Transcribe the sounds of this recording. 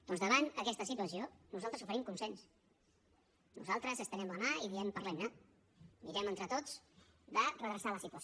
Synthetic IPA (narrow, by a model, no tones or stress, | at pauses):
d̪ɔnzðəβanəkɛst̪əsit̪uəsionuzalˠt̪ɾəsufəɾimkunsɛns | nṵzalˠt̪ɾəzəst̪ənɛmənaiðiɛmpərlɛmna | miɾɛmənt̪ɾət̪ot͡sd̪ərəðɾəsaləsit̪uəs